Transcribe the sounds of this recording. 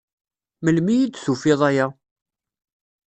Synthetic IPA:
məlmijid̪θufɪðˤæja

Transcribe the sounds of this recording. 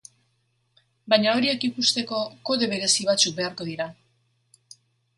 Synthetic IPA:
bajɲao̞ɾie̞kipust̪e̞ko̞ko̞ðe̞β̞e̞ɾe̞siβat͡suk̚be̞aɾko̞ðiɾa

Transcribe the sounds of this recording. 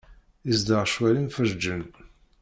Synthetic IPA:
izd̪əʁʃwælinfəɾd͡ʒːən

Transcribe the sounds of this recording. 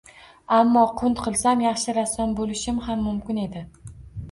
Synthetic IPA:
amːɒqʰʊnt̪qʰɨlˠsamjɑχʃɪɾasɒnbolɪʃɪmhamːʊmkʲɪne̞d̪ɪ

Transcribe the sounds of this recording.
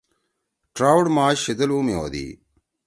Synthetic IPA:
ʈɾaːwɽmaːɕed̪ɐluːmjo̰ːd̪ḭː

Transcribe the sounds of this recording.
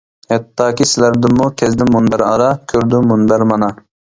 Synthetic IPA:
hɛt̪ːɑːkʲisɪlæɾd̪ɪmːukʲʰɛzd̪ɪmːunbæɾɑ̰ɾɑkʲʰøɾd̪ʊmunbæɾmɑnɑ

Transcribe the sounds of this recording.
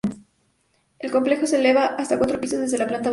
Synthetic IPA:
e̞lko̞mple̞xo̞se̞le̞βaʔast̪akwat̪ɾopisozðezðe̞laplant̪a

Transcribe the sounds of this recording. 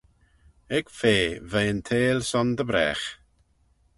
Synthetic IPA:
ɛɡ̥feːvejənt̪ʰeːlsɔnd̪əbɾɛ̰ːx

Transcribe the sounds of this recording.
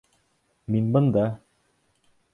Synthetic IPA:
minbɤ̆nd̪ɑ

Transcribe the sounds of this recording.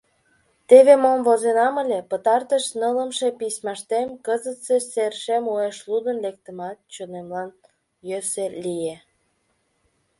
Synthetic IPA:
t̪eβemomvozenɑməlʲepət̪ɑrt̪əʃnələmʃepismɑʃt̪emkəzət̪seserʃemueʃlud̪ənlek̚t̪əmɑt̪̚t͡ɕonemlɑn | jøselije

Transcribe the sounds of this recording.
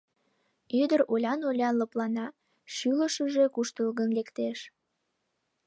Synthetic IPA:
yd̪əɾolʲɑnolʲɑnləplɑnɑ | ʃyləʃəʒekuʃt̪əlɣənlekt̪eʃ

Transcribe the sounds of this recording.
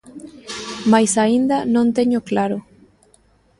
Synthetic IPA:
majsaind̪anõnt̪e̞ɲoklaɾo

